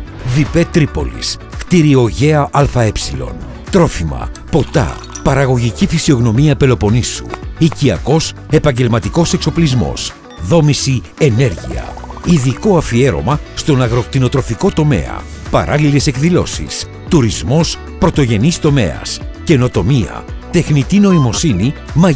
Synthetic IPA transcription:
vipe̞t̪ɾipo̞̰lḭs | kt̪iɾio̞ʝe̞ɐʔɐlfɐe̞psilo̞̰n | t̪ɾo̞fimɐ̰po̞t̪ɐ̰ | pɐɾɐɣo̞ʝicifisio̞ɣno̞miɐpe̞lo̞po̞nisṵiciɐ̰ko̞se̞pɐɲɟe̞lmɐt̪iko̞se̞kso̞plizmo̞̰s | ðo̞misi | e̞ne̞ɾʝḭɐ̰ | iðiko̞ɐfie̞ɾo̞̰mɐst̪o̞nɐɣɾo̞k̚t̪ino̞t̪ɾo̞fiko̞t̪o̞me̞̰ɐ̰ | pɐ̰ɾʔɐlile̞se̞kðilo̞̰sḭs | t̪uɾizmo̞s | pɾo̞t̪o̞ʝe̞nist̪o̞me̞̰ɐ̰sce̞no̞t̪o̞miɐ̰t̪e̞xnit̪ino̞imo̞sini | mɐ

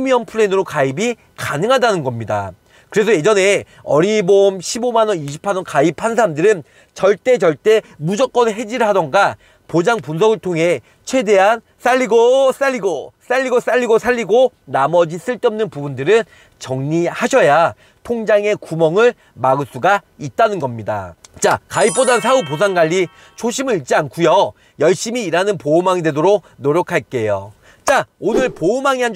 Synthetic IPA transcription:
miʌnpʰɯɾenɯɾokaibi | kanɯŋɦadanɯnɡʌmɲida̰ | kɯɾe̞sʰʌje̞d͡ʑʌne̞ | ʌɾibomɕʰibomanʌniɕʰi̥pʰanʌnkaip̚ʰhansʰaɾamdɯɾɯn | t͡ɕʌɭt͈e̞t͡ɕʌɭt͈e̞mud͡ʑʌk͈̚ʌnɦe̞d͡ʑiɾɯɭɦadʌŋɡa | pod͡ʑaŋpuns̬ʰʌɡɯɭtʰoŋɦe̞ | t͡ɕʰwe̞de̞ɦan | s͈aʎːiɡos͈aʎːiɡos͈aʎːiɡos͈aʎːiɡosʰaʎːiɡo | namʌd͡ʑis͈ɯɭt͈ʌmnɯnpubundɯɾɯn | t͡ɕʌŋɲihaɕʰʌja | tʰoŋd͡ʑaŋe̞kumʌŋɯɭ | maɡɯɭs͈uɡait̚t͈anɯnɡʌmɲida̰t͡ɕakaip͈odansʰaup̬os̬ʰaŋɡaʎːi | t͡ɕʰoɕʰimɯɾit͡ɕ͈iankʰujʌ | jʌɭɕ͈imiːɾanɯnpoumaŋidwe̞doɾok̚noɾjʌkʰaɭk͈e̞jo̰ | t͡ɕ͈aonɯɭpoumaŋiɦan

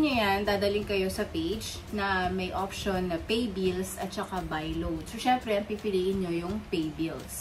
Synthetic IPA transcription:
ɲojannd̪aːd̪ɐlɪŋkɐjo̞sɐpejd͡ʒ | nɐmɐjʔopʃonːɐpejbilsʔɐt̪̚t͡ʃɐkabajlowd̪soʃɛmpɾɛɐŋpipɪliːʔɪnɲo̞jʊŋpejbils

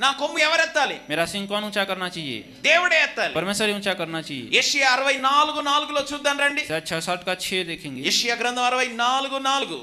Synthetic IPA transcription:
naːkomːuɛʋɐɾɛt̪ːaːlḭmeːɾɐsiiŋkoːnuːt͡ʃaːkɐɾnaːt͡ʃɛjḛː | d̪eːwuɽeɛt̪ːaːlipɐɾmeːsɐɾiut͡ʃaːkɐɾnaːt͡ʃijḛjeːʂɐjaɐɾɐʋɐjnaːluɡunaːluɡuloːt͡ʃuːd̪ːaːnɾɐɳɖisɐt͡ʃʰɐsaːʈ̚kaːt͡ʃʰed̪eːkʰːĩŋɡijeːʂɐjaːɡɾɐ̃nd̪ʱɐmɐɾɐʋɐjnaːluɡunaːluɡu

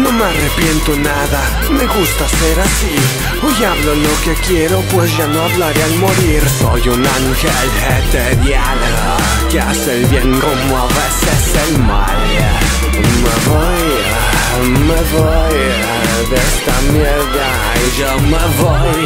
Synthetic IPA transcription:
nõŋmarepjɛnt̪onaða | meɣust̪aseɾasi | ojaβlolokekjɛɾopwesʒanoaβlaɾealmoɾiɾsɔjunaŋkɛl | ɛt̪eðjan | keaselbjɛŋkomavɛsɛselmal | mevɔj | mevɔj | d̪ɛst̪amɛ | ða | ʒamevɔj

